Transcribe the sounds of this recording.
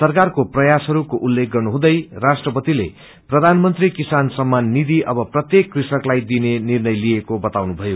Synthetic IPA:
sʌrkarkoprʌjasɦʌɾukoʔulːek̚ɡʌrnuɦũd̪ʌjrasʈrʌpʌt̪ilḛ | prʌd̪ʱanmʌnt̪rikisansʌmːanːid̪ʱiʔʌbʌprʌt̪jekːrisʌklajd̪inenirnʌjliekobʌt̪awnubʱʌjo

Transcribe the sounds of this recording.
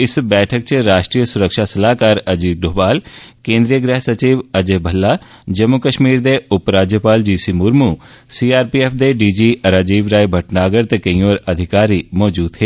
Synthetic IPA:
ɪsbɛːʈʰək̚t͡ʃɾaːʃʈɾiːəsʊɾəkʃaːsəlaːkaːɾəd͡ʒiːd̪oːbaːlkẽːnd̪ɾijəɡɾɛɦsət͡ʃiːʋəd͡ʒeːbʱəlːaː | d͡ʒəmːʊkəʃmiːɾd̪eːʊpɾaːd͡ʒjəpaːld͡ʒiːsiːmʊɾmuː | siːaːɾpiːeːpʰd̪eːɖiːd͡ʒiːʔəɾaːd͡ʒiːʋɾaːibʱəʈnaːɡəɾt̪eːkəĩːoːɾəd̪ʱɪkaːɾiːmɔːd͡ʒuːd̪ɦeː

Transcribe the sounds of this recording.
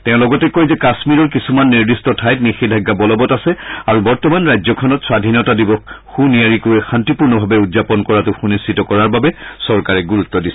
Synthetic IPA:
tɛʊ̃lɔɡɔtɛkojzɛkasmiɹɔɹkisumanːiɹdistɔtʰajtnixidʱaɡːabɔlɔbɔtasɛaɹubɔɹtɔmanɹajzɔkʰɔnɔtswadʱinɔtadibɔxunijaɹikojɛxantipuɹnɔbʱabɛudzapɔnkɔɹatʊxunistʰitɔkɔɹaɹbabɛsɔɹkaɹɛɡuɹut̪ːɔdisɛ

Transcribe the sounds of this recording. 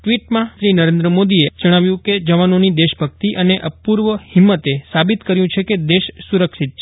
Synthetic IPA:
ʈʋiʈmãʃɾinəɾend̪ɾəmod̪ied͡ʒəɽ̃aʋjũked͡ʒəʋanonid̪eʃbʱək̚t̪iʔəneʔəpuɾʋəhɪmːət̪esabit̪kəɾjũt͡ʃʰeked̪eʃsuɾəkʃit̪̚t͡ʃʰe

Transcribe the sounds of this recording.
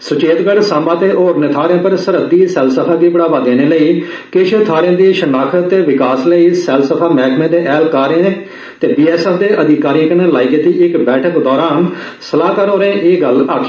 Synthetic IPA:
sʊt͡ʃeːt̪ɡəɽsãːmbaːt̪eːʔoːɾnɪt̪ʰaːɾãːpəɾsəɾəd̪iːsɛːlsəpʰaːd̪iːbəɽaːbaːd̪eːneːləiː | keːʃet̪ʰaːɾjãːd̪iːʃənaːkʰət̪eːʋɪkaːsləiːsɛːlsəpʰaːmɛːkmẽːd̪eːʔɛːlkaːɾẽːnẽː | t̪eːbiːɛːsɛːpʰd̪eːʔəd̪ɪkaːɾiə̃kəneːlaːiːkeːt̪iːɪkbɛːʈʰəkd̪ɔːɾaːn | səlaːkəɾoːɾẽːʔeːɡəlaːkʰi

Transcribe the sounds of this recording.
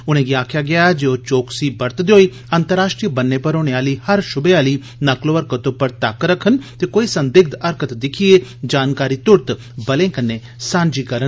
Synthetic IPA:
ʊnẽːɡiaːkʰjaːɡɪaːɛd͡ʒeːoːt͡ʃoːksiːbəɾt̪d̪eoːiː | ənt̪əɾaːʃʈɾijəbənːeːpəɾoːɽ̃eaːliːhəɾʃʊbeaːliː | nəkloːʋəɾkət̪opəɾt̪akɾəkʰənt̪eːkoːiːsə̃nd̪ɪɡ̚d̪əɾkət̪d̪ɪkʰieːd͡ʒaːnkaːɾiːt̪ʊɾt̪ | bəlẽːkənːeː | sãːnd͡ʒiːkəɾə

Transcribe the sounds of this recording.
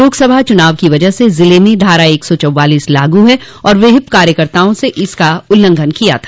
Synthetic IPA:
oːɡsɐbʱat͡ʃʊnaːʋkiʋɐd͡ʒəɦsezɪlemẽɖʱaːɾaeːksɔt͡ʃɐwːaːliːslaːɡuɦɛ | ɔːɾʋeɦɪpkaːɾjəkəɾt̪aːõseʔɪskaʊlːə̃ŋɡʱənkija̰t̪ʰḁː

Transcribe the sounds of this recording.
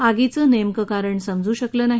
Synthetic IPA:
aɡit͡səːnemkəkaɾəɳsəmd͡zuːɕəkləːnaɦi

